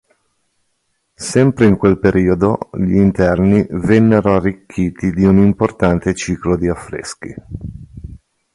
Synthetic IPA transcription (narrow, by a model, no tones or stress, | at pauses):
sɛmpɾeiŋkwelpeɾʔiːod̪oʎiint̪ɛrnivɛnːeɾoarːikʰːiːt̪id̪iunimport̪ant̪et͡ʃiːklod̪iafːɾḛsk̟ḭ